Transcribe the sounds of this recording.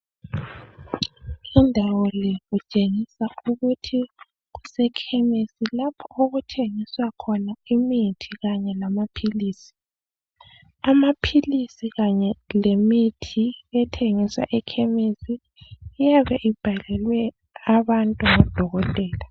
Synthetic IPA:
indʱawɔlɛɣut͡ʃʼeŋisauɣutʰi | ɣusɛkʰɛmesilapʰɔoɣutʰeŋiswakʰɔnaimitʰiɣaɲɛlamapʰiliːsi̥ | amapʰilisiɣaɲɛlemitʰiɛtʰeŋiswa̰ʔɛkʰɛmesiː | jaβɛʔib̥ʱalɛlwɛ | aβantʼuŋɔd̥ʱɔɣɔtʼɛːla

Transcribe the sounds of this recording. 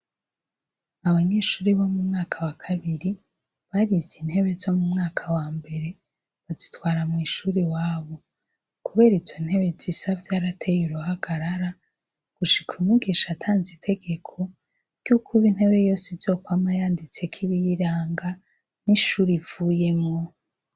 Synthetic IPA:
aβaɲeʃuːɾiβo̞mumŋaːkʰawakʰaβiɾi | βaɾivjin̥he̞βe̞zo̞mumŋaːkʰawaːmbe̞ɾe̞ | βazitwaːɾamŋiːʃuːɾewaːβo̞ | kuβe̞ːɾizo̞n̥he̞βe̞zisavjaːɾatʰe̞juɾuɦaɡ̥aɾaɾa | ɡ̥uʃikʰumiɡiʃatʰaːnzitʰe̞ɡe̞kʰo̞ | v̥jukʰuβin̥he̞βe̞jo̞ːsivj̥o̞kwamajaːndit͡se̞kʰiβijiɾaːŋɡa | niʃuːɾivuːje̞mŋo̞

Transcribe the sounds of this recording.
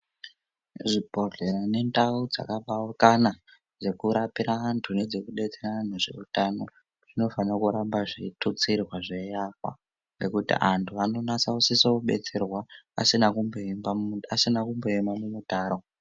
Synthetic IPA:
ʐibʱo̞ɮe̞ɾane̞ndaud͡za̰kapaukana | d͡ze̞kuɾapiɾaantʰune̞d͡ze̞kuɗe̞t͡seɾaan̤eʐe̞̰utano̞ | ʐ̥ino̞fanakuɾambaʐitʰut͡sirwaʐe̞jakwa̰ | ŋɡe̞kutḭʔantʰuano̞nat͡sausisokuɓe̞̰t͡se̞rwaa̰sinakumbemaasinakumbe̞imbamumutaːɾo̞

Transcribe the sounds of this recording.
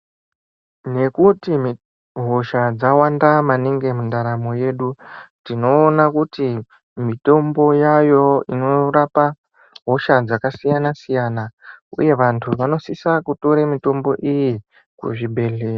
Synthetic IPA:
ne̞kutimi | ɦo̞ʃad͡zawandamaniŋɡe̞mundaɾamo̞je̞ːɗutino̞ːnakuti | mito̞mbo̞jajo̞ḭno̞ɾapa | ɦo̞ʃad͡zakasijanasijanaṵje̞ʋantʰuʋano̞sisakuto̞ɾemito̞mbo̞ʔiji | kṵʐibʱe̞ɮe̞ːa

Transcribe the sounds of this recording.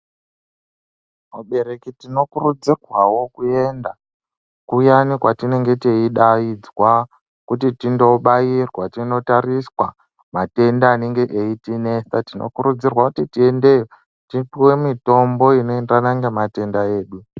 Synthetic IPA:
muɓe̞ɾe̞kitino̞kurud͡zirwawo̞kue̞nda | kujanikwatine̞ŋɡe̞te̞iɗajid͡zwa | kutitindo̞ɓajirwatino̞taɾiswa | mate̞ndaːne̞ŋɡe̞ʔeitine̞satino̞̰kuɾud͡zirwakutitie̞ndejo | tipiwe̞mito̞mbo̞ino̞endranaŋɡemate̞ndae̞ːɗu

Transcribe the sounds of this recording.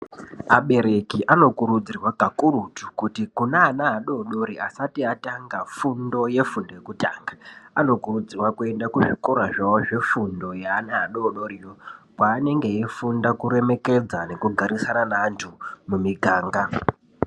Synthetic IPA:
aɓe̞ɾe̞kiʔano̞kuɾud͡zirwakakuɾutu̥kutikunaːnaɦaɗoɗo̞ɾiʔasatiataŋɡafundo̞je̞fundo̞jekuta̰ːŋɡaano̞kurud͡zirwakue̞ndakuʐikoɾaʐawoʐe̞fundo̞jaːnaɦaɗo̞ːɗo̞ɾijokwaːne̞ŋɡe̞ifundakuɾe̞me̞ke̞d͡zane̞kuɡʱaɾisananantʰumumiɡʱaːŋɡa

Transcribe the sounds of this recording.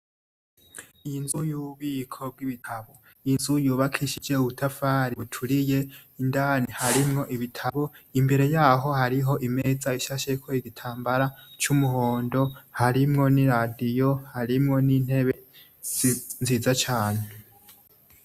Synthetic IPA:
ijinzujuːβiːkʰo̞b̚ɡiβitʰaβo̞ | inzujuβakʰiʃid͡ʒe̞uβutʰafaːɾiβutʰuɾije̞indaːnihaɾimŋo̞ʔiβitʰaβoimbe̞ɾe̞jaːɦo̞haɾiɦo̞ʔimeːzaiʃaʃekʰoiɡitʰaːmbaɾat͡ʃumuhoːndo̞haɾimŋo̞niɾadijohaɾimŋo̞niːn̥he̞βe̞ | nzizat͡ʃaːn̥e

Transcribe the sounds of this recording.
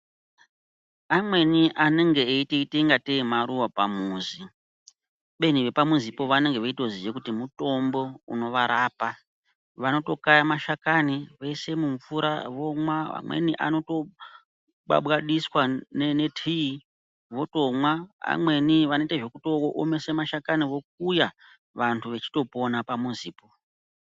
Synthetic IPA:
amwe̞niʔaneŋɡe̞ːiteiteŋɡateimaɾuwapamuːzi | ɓe̞niʋe̞pamuzipo̞ʋaneŋɡe̞ʋeito̞zid͡ʒe̞kutimuto̞mbo̞ṵno̞ʋaɾaːpa | ʋano̞to̞kajamaʃakaniʋe̞se̞muɱfuɾa̰ʋo̞mwaʋa̰mwḛniʔa̰no̞to̞ | ɓa̰ɓɣaɗiswanene̞tʰi | ʋoto̞mwaa̰mwe̞niʋanoitaʐe̞kuto̞ʔo̰me̞semaʃakaniʋo̞k̚uja | ʋantʰuʋe̞t͡ʃi̥to̞po̞napamuziːpo̞

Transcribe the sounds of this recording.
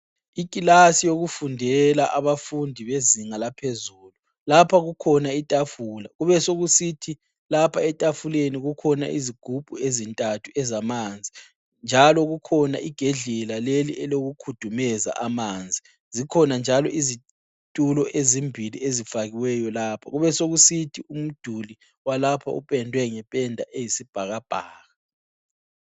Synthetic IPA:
ikʼilasijoɣufundʱɛlaʔaβafundʱiβeziŋalapʰezuːlu | lapʰaɣukʰɔnaitʼafuːlaɣuβɛsoɣusitʰi | lapʰaɛtʼafuleniɣukʰɔna̰ʔḭziɡ̥ʱub̥ʱuezintʼatʰuɛzamand͡zʱi | nd͡ʒʱalɔɣukʰɔna̰ʔiɡ̥ʱɛɮɛlaleliʔɛloɣukʰud̥ʱumɛza̰ʔamaːnd͡zʱi | zikʰɔnand͡ʒʱalɔʔizi | tʼulɔʔezimbʱiliʔezifaɣiwɛjɔlapʰa̰ɣuβɛsoɣusitʰium̩d̥ʱuli | walapʰa̰ṵpʼɛndʱwɛŋɛpʼɛndʱaʔejisib̥ʱaɣab̥ʱaːɣa

